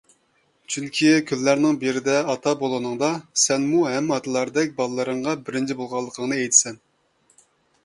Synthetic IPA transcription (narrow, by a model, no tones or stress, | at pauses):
t͡ʃʰyŋkʲʰikʲʰylːæɾnɪŋbeɾɪd̪ɛɑt̪ʰɑbolˠɨnɨŋd̪ɑsɛnmuɦɛmːɑt̪ʰɨlˠɑɾd̪ɛk̚ʲbɑlˠɨlˠːɨɾəɴʁɑbɪɾɪnt͡ʃʰibolˠʁɑlˠːəqʰəŋnɨɛjt̪ʰɪ̥sɛn